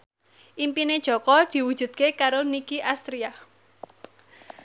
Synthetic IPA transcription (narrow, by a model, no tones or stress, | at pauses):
ʔimpined̥ʒ̥ɔ̤kɔd̪̥i̤wud̥ʒ̥ṳd̪̥̚kekaɾonikiʔast̪ɾia